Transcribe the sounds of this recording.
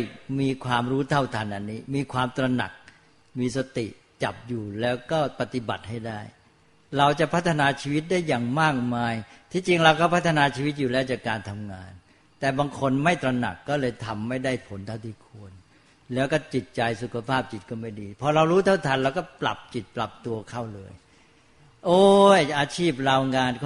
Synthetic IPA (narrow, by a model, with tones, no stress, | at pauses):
miː˧kʰwaː˧mɾuː˦˥t̪ʰa˥˩wt̪ʰa˧nʔa˧nːiː˦˥miː˧kʰwaː˧mt̪ɾa˧na̰˨˩k̚ | miː˧s̬a˧t̪ḭ˨˩ʔ | t͡ɕa̰˨˩p̚juː˨˩lɛː˦˥wkɔː˥˩pa˨˧t̪i˨˩ba̰˨˩t̪̚ha˥˩jdaː˥˩j | ɾa˧wt͡ɕa˨˩pʰa˦˥t̪ʰːa˧naː˧t͡ɕʰiː˧wi˦˥t̪̚daː˥˩jːaː˨˩ŋmaː˥˩k̚maː˧jt̪ʰiː˧˥˩t͡ɕi˧ŋɾa˧wkɔː˥˩pʰa˦˥t̪ʰːa˧naː˧t͡ɕʰiː˧wi˦˥t̪̚juː˨˩lɛː˦˥wt͡ɕaː˨˩kːaː˧nt̪ʰa˧mŋaː˧n | t̪ɛː˨˩baː˧ŋkʰo˧nma˥˩jt̪ɾa˧na̰˨˩kːɔː˥˩lɤː˧jt̪ʰa˧mːa˥˩jda˥˩jpʰo˩˦nt̪ʰa˥˩t̪ʰiː˥˩kʰu˧ən | lɛː˦˥wkɔː˥˩t͡ɕi˨˩t̪̚t͡ɕa˧jsu˨˩kʰa˧pʰaː˥˩p̚t͡ɕi˨˩t̪̚kɔː˥˩ma˥˩jdiː˧pʰɔː˧ɾa˧wɾuː˦˥t̪ʰa˥˩wt̪ʰa˧nɾa˧wkɔː˥˩pla̰˨˩p̚t͡ɕi˨˩t̪̚pla˨˩p̚t̪u˧ɐkʰa˥˩wlɤː˧j | ʔoː˧˩ʔaː˧t͡ɕʰiː˥˩p̚ɾaː˧wŋaː˧n